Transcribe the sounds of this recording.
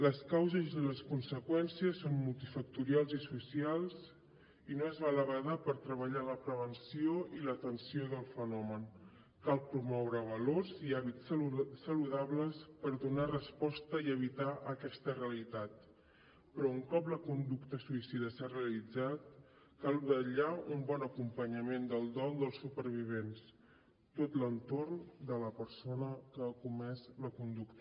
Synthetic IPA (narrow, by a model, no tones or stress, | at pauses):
ləskawzəzðələskunsəkwɛnsiəsːonmulˠt̪ifək̚t̪uɾialˠzisusialˠz | inoezβaləβəðapəɾt̪ɾəβəʎaləpɾəβənsioilət̪ənsioðəlˠfənɔmən | kalˠpɾumɔwɾəβəloɾziaβissːəluðaβləspəɾðunarəspɔst̪əiəβit̪aʔəkɛst̪əreəlit̪at̪ | pɾɔuŋkɔpləkund̪ukt̪əsuisiðəsareəlid͡zat̪̚ | kalˠβəʎaumbɔnəkumpəɲəmend̪əlˠd̪ɔlˠd̪əlˠsːupəɾβ̞iβ̞ens | t̪ot̪lənt̪ornd̪ələpəɾsonəkəːkumɛzləkund̪ukt̪